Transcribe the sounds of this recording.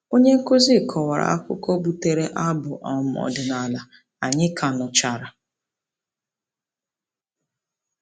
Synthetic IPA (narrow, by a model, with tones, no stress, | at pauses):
o˦ɲe˦ŋ̩˦ko˦zi˦˨kʰɔ˨wa˨ɾa̰˨a˦kʷʊ̰˦kɔ˦bu˨te˨ɾe˦ʔa˦bʊ˨ʔɔ˨m̩˨ɔ̰˨dɪ˨na˨la˨ | a˨ɲɪ˦kʰa˨nʊ˨t͡ʃa˨ɾa˨